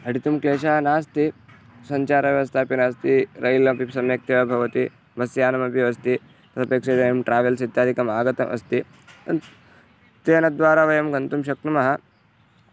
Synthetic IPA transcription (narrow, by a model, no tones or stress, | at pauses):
ɐɽit̪umkleːʃaːnaːst̪i | sɐɲt͡ʃaːɾɐʋjʋɐst̪ʰaːpinaːst̪iɾɐjlɐpipsɐmjɐk̚t̪ɐʋɐbʱɐʋɐt̪i | bɐsjaːnɐmɐpjɐʋɐst̪i | t̪ɐt̪ɐpeːkʂeɾɐjɐmʈɾaːʋelsid̪ʱːaːd̪ikɐmaːɡɐt̪ɐmʔɐ̰st̪i | t̪eːnɐd̪ʋaːɾaːʋɐjɐmɡɐnt̪umʃɐk̚t̪umɐɦɐ